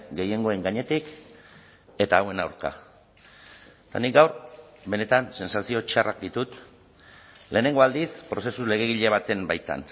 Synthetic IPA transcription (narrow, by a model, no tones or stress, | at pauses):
ɡe̞je̞ŋɡo̞e̞ŋɡaɲe̞t̪ik | e̞t̪aːwe̞nawɾka̰ | t̪anik̚ɡawɾbe̞ne̞t̪anse̞nsasio̞t͡ʃarʔa̰k̚d̪it̪ut̪ | le̞ːne̞ŋɡo̞ald̪ispɾo̞se̞sule̞ɣ̞e̞ɣ̞iʎe̞β̞at̪e̞mbajt̪a̰n